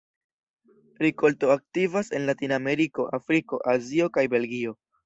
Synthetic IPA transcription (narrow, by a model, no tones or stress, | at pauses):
ɾiko̞lto̞ak̚tivase̞nlatiname̞ɾiko̞ʔafɾiko̞̰ʔazio̞kajbe̞lɡio̞